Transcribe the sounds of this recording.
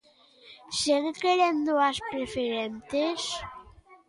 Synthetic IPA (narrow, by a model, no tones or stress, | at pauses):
seŋkeɾend̪oaspɾefeɾent̪es